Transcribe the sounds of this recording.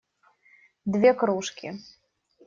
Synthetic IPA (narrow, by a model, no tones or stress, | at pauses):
d̪vʲɛkɾuʂkʲi